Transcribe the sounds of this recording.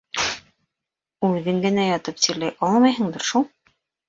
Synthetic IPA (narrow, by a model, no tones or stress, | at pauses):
ʉðɘŋɡɘ̆næjɑt̪ɤp̚t̪iɾlæjʔɑlˠmɑjɦɤ̆ɴd̪ɤɾʃulˠ